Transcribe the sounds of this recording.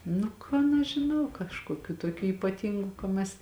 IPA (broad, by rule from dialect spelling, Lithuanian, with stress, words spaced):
ˈnʊ ˈkɐn ɐʃ ʒʲɪˈnɐʊ kɐʃkoːˈkʲuː toːˈkʲuː iːpɐˈtʲiːŋɡʊ kɐ ˈmʲɛs